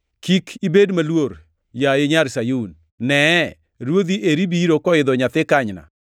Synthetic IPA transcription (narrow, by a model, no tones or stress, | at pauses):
kikʰibedmalwoɾ | jajɪɲaɾsajun | nɛ | ɾwod̪iʔeɾibiɾokɔɪd̪ɔɲat̪ɪkaɲna̰